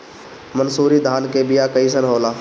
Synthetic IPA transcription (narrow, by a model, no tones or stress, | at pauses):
mənsuːɾid̪ʱaːnkebɪjakəis̬ənɦoːlaː